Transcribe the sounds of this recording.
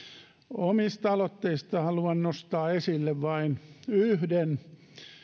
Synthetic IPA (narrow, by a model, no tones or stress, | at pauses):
omist̪ɑlot̪ːeist̪ɑhɑluɑnnost̪ɑːesilːeʋʋɑinyhden